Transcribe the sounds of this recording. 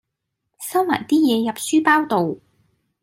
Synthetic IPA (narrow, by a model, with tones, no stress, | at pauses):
sɐ˥wma̰ː˨˩jt̪iː˥jɛː˨˧jɐ˨p̚syː˥paː˥wt̪o˨w